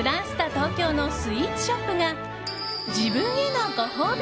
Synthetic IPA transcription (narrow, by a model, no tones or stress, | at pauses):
ɯɾãɰ̃ɕɨ̥t̪at̪o̞ːkʲo̞ːno̞sɨiːtɯ̥ɕopːɯ̟ŋa | d͡ʑibɯ̃ŋenokoɦoːbʲ